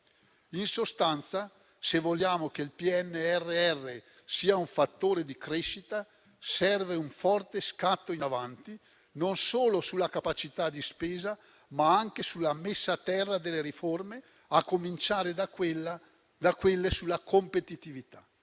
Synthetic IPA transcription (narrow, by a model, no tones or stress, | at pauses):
insost̪ant̪sa | sevolːjaːmok̟eilpiɛnːeɛrːeɛrːe | siːauɱfat̪ːoːɾed̪ikɾeʃːit̪a | sɛrveuɱfɔrt̪eskat̪ːoinavant̪i | nonsoːlosulːakapat͡ʃit̪ad̪ispeːza | maaŋk̟esulːamesːat̪ɛrːad̪elːeɾiforme | akːomint͡ʃaːɾed̪aelːa | d̪akwelːesulːakompet̪it̪ivit̪a